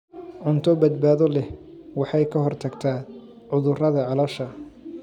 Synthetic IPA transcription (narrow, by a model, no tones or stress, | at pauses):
ʕʊnt̪ʰɔbɐd̪baːðɔlɛhwɑħɑjkʰɐɦɔrt̪ʰɐɡt̪ʰaː | ʕʊðʊrɐðɐʕɑlɐʃɐ